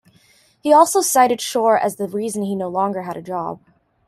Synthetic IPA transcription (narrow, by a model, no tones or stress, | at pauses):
hiɔlˠsoʊsaɪɾɨd̥ʃɔɹɨ̰zðɨɹizɨ̃n̩inoʊlɔ̃ŋɡə˞ɨɾɨd͡ʒɑ̰b̥̚